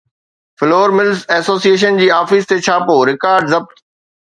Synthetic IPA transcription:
fɪloːɾmɪlsɛːsoːsieːʃ̬ənd͡ʑiːaːfist̪et͡ɕʰaːpoːɾɪkaːɾɖzɐb̚t̪

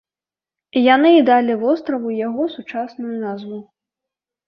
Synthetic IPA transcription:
janɨːd̪alʲivɔst̪ɾɐvujaɣɔsut͡ʂasnujunazvu

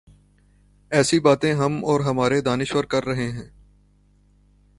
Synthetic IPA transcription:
ɛːsibaːt̪ẽɦɐmɔːɾɦɐmaːɾed̪aːnɪʃwəɾkɐɾːɐɦeɦɛ̃ː

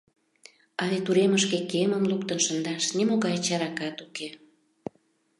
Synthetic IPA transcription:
ɑlet̪uɾeməʃkekeməmluk̚t̪ənʃənd̪ɑʃnemoɣɑjt͡ɕɑɾɑkɑt̪uke

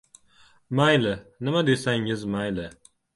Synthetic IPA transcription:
majlɪnɪmad̪esaŋɪzmajlɪ

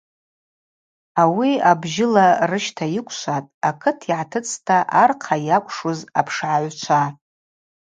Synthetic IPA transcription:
awiabʒɪlarɨʃtʰajɪkʷʰʼʃʷatʼakʰɨtʰiʕatʰɨt͡sʰʼtʰaʔarqʰajakʷʰʼʂozapʰʂʕaʕʷt͡ʃʷʰa

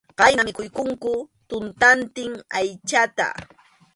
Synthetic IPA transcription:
ɢɑjnamɪkʊjkʊŋkʊ | t̪ʊnt̪ant̪ɪŋajt͡ʃat̪a̰

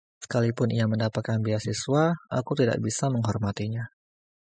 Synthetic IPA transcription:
sə̥kalipʊnijaməndapat̪̚kanbiasisuaʔa̰kut̪ida̰ʔbisaməŋɦɔrmat̪iɲa

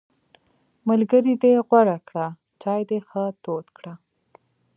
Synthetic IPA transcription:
malɡəɾid̪eɣwaɽakɽa | t͡ʃɑjd̪exət̪ot̪kɽa

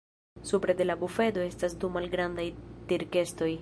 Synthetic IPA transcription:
supɾe̞de̞labufe̞do̞e̞stasdumalɡɾandajtiɾke̞sto̞j

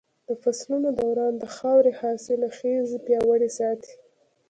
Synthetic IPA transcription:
d̪̥əfaslunod̪awɾɑnd̪əxɑwɾehɑselaxezpjɑwaɽisɑt̪ʰi̥

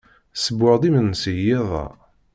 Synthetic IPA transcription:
səbʊʕd̪ˤimənːsəjeðˤɑ̰

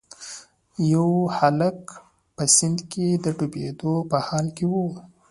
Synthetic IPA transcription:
jawhalək | pəsɪnd̪ked̪əʈuped̪opəhɑlkewu

